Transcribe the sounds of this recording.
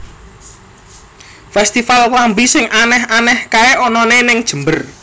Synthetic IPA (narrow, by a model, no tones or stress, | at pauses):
fɛst̪ifalwambisɪŋʔanɛɦanɛhkaeʔɔnɔnenɪŋd̥ʒ̥ə̤mbər